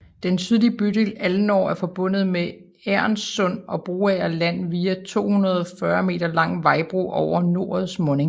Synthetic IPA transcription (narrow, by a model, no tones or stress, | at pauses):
d̥ent͡sʰyðˠlib̥yd̥e̝læln̩ɒ̰ːæɐfɒ̽b̥ɔ̽n̰ð̩ˠme | æɐ̰nsːɔ̽n̰ɒ̽b̥ʁoːæɐlæn̰ʋiːæt͡sʰo̝̰ːhunɐð̞ˠɒfɶɐme̝̰ːd̥ɐlɑ̈ŋ̰ʋɑ̈ɪb̥ʁṵʔɒʊɐno̝ɐ̰ð̩ˠsmɔ̽ne̝ŋ